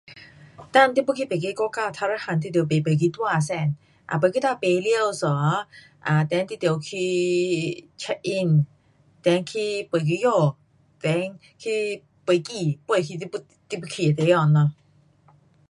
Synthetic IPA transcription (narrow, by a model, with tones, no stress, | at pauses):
t̪a˥˧˨nt̪i˧pu˥kʰi˧pe˨˩ke˧kɔ˧ka˧˨t̪ʰa˧ɾa˧˥˦ha˧˨nt̪i˧t̪̬i˨pe˨˩pe˨˩k̬i˧˦t̪wa˧˩˨sɛ˧˩˨n | ʔa̰˨pə˨ki˧˦t̪a˧pe˨˧˨li˧ə˧wsɔ˨˦ | ʔa˨˩t̪ɛ˧˦nt̪i˧t̪i˧˩ə˨wkʰi˧ | t͡ʃʰɛ˧ʔʔi˧n | t̪ɛ˨˦ŋkʰi˧pə˨˩jk̬i˧˦jo˧˩ | vɛ˨˧˦ŋ | kʰi˧ | pə˨˩ki˧˩pə˧˩˨kʰi˧i˧pu˧ | t̪i˧˩pu˧kʰi˧˩˨t̪e˧˦jɔ˧˨nːɔ˧